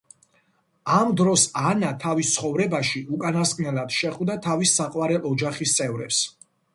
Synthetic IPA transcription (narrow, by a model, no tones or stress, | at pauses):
amd̪ɾɔsanat̪ʰavist̪sʰχɔvɾɛbaʃiʔukʼanaskʼnɛlad̪̥ʃɛχvd̪at̪ʰavisːaqʼwaɾɛʔɔd͡ʒaχist̪sʼɛvɾɛ̰ps